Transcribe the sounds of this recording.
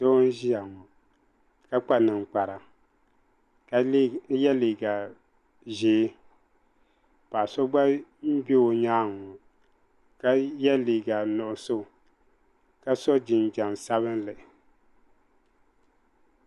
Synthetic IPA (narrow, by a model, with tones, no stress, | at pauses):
do˦n˦ʒi˦ja˨ŋɔ˨ | ka˦k͡pa˦nɨ˨ŋ͡mk͡pa˨ɾa˨ | ka˦jɛ˦liː˨ɡa˨ | ʒeː˨˦ | pa˨sɔ˦ɡ͡ba˦m̩˦be˦o˨ɲaː˦˨ŋɔ˨ | ka˦jɛ˦liː˨ɡa˨nʊ˨ʔʊ˨so˦˨ | ka˦sɔ˦d͡ʒɪ˨n˨d͡ʒa˨n˨sa˦βɨ˦n˦lɨ˨